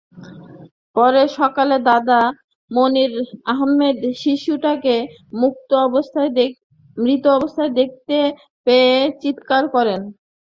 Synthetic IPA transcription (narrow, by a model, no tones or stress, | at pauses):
pɔɾeʃɔkaled̪ad̪a | moniɾaɦmed̪ʃiʃuʈake | muk̚t̪oɔbost̪ʰae | mɾit̪oɔbost̪ʰaed̪ek̚t̪e | peet͡ɕit̪kaɾkɔɾen